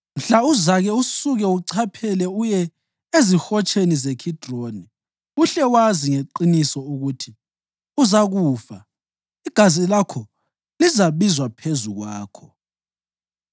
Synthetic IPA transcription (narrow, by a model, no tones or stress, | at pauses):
m̩ɬauzaɣɛusuɣɛuǀʰapʰɛlɛujɛ | ezixɔt͡ʃʰʼenizekʰid̥ʱroːni | uɬɛwaziŋeǃinisɔuɣutʰi | uzaɣuːfa | iɡ̥ʱazilakʰɔ | lizaβizwapʰezuɣwaːkʰɔ